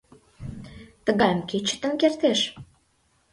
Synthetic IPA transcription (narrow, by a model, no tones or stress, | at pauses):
t̪ə̆ɣɑmket͡ɕə̥̆t̪ə̆ŋkert̪eʃ